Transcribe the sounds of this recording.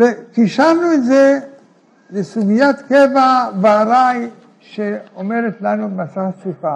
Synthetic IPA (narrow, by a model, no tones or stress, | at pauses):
vet̪iʃaɾnuet̪ze | lesuɡijat̪kevabaːɾaj | ʃeome̞det̪lanubemasaχasifa